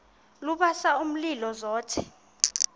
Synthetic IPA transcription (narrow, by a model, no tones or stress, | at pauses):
luɓasaum̩lilɔzɔːtʰɛ̥